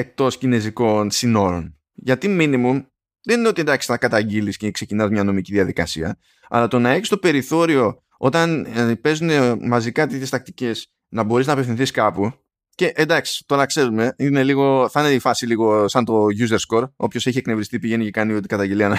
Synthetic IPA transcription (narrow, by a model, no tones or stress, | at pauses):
e̞k̚t̪o̞scine̞ziko̞nsino̞ɾo̞̰n | ʝɐt̪iminimum | ðenineo̞t̪iend̪ɐksɐkɐt̪ɐɟiliscekse̞cinɐzmɲɐno̞miciðiɐðikɐ̰siɐ̰ | ɐ̰lɐt̪o̞nɐe̞çi̥st̪o̞pe̞ɾiθo̞ɾio̞ | o̞t̪ɐnpe̞zune̞mɐzikɐt̪içest̪ɐk̚t̪i̥ce̞s | nɐbo̞ɾiznɐpefθĩnθiskɐpu | ce̞ʔend̪ɐksi̥t̪o̞ɾɐkse̞ɾume̞ine̞liɣo̞θɐneifɐsiliɣo̞sɐnt̪o̞ʝuzeɾsko̞ɾo̞pçoseçieknevɾist̪ipiʝe̞nicekɐniot̪i̥kɐt̪ɐɲɟeliɐnɐ